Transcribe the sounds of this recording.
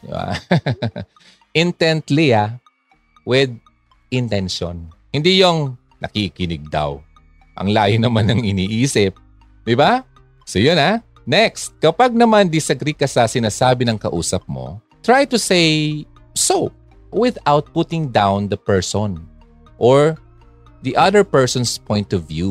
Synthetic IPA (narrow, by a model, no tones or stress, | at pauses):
ba̰ | ʔɪnt̪ɛ̃nt̪lijɐ | wɪd̪̚ | ʔɪnt̪ɛnʃõ̰nhɪnd̪ijoŋ | nɐ̰kikɪnɪɡ̚d̪a̰w | ʔɐ̰ŋlaːjʊnɐmanɐŋɪniːʔiːsɪp̚ | d̪ɪba | sojona | nɛkst̪̚kɐpaɡ̚nɐmand̪isɐɡɾikɐsɐsɪnaːsaːbɪnɐŋkɐ̰ʔṵːsɐp̚mo̰ | t̪ɹajt̪usej | so | wɪðawt̪̚put̪ɪ̃ŋd̪ãwnd̪ɐpɛɹsɔn | ʔoɹ | d̪iʔɐðəɹpɛɹsɔnspʰɔ̃jnt̪ɔvju